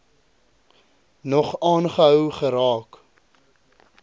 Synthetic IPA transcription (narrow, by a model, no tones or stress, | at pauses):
nɔχɑːnχəɦœwχəɾɑːk